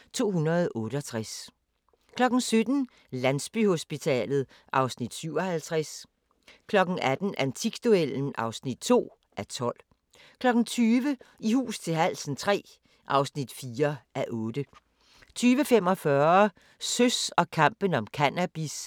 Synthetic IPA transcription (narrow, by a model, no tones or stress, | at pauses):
t͡sʰo̝̰ːɦunɐð̞ˠɔ̽ːɾ̥əɒt͡sʰʁas | kʰlɒ̽ɡ̥n̩sød̥n̩ | lænsb̥y̰ho̝sb̥it͡sʰɛ̰ːlð̞̩ˠ | ʔɑ̈ʊsnid̥syʊɒ̽hælt͡sʰʁas | kʰlɒ̽ɡ̥n̩æd̥n̩ʔænt͡sʰiɡ̥d̥ueln̩ʔɑ̈ʊsnid̥̚t͡sʰo̝̰ː | ʔæt͡sʰɒ̽l̰ | kʰlɒ̽ɡ̥n̩t͡sʰyːʋəihṵːst͡sʰe̝ɦæl̰sn̩t͡sʰʁɛ̰ː | ʔɑ̈ʊsnid̥fiːɐʔæʔɔ̽ːd̥ə | t͡sʰyːʋəfem̰ɒ̽fɶːɐ | søsɒ̽kʰɑ̈m̰b̥ən̩ɒ̽mkʰænæb̥is